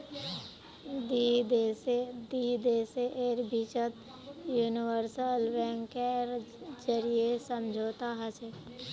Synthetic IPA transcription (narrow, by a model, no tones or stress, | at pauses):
d̪id̪esed̪id̪eːseʔeːɾbʱit͡ʃət̪ | juːniwəɾsəlʋɛ̃ŋkeɾd͡ʒəɾiesəmd͡ʒʱoːt̪aɦət͡ʃe